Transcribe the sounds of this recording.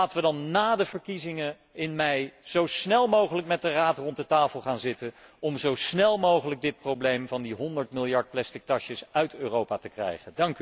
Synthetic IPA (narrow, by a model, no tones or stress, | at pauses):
aːtəʋədɑnːaːdəvəɹkizɪŋə | ɪnmɛjz̥owsnɛlˠmowχələkmɛt̚dəraːtrɔnt̚dətaːfəlˠχaːnzɪtənɔmzowsnɛlˠmowχələɡ̚dɪt̚prowblejmvɑndiɦɔndəɹtmɪlˠjɑɹt̚plɛstɪk̚tɑʃəsœɥtøːrowpaːtəkrɛ̰jχəndɑŋky